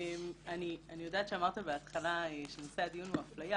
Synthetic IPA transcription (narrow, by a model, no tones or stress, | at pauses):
manianijo̞d̪aːt̪ʃeamaʁt̪abeat̪χalaeʃenosed̪ijunaflaja